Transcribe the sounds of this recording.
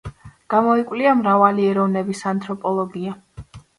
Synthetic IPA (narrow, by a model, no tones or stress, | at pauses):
ɡ̥amɔikʼwliamɾavaliɛɾɔvnɛbisant̪ʼʰɾɔpʼɔlˠɔɡia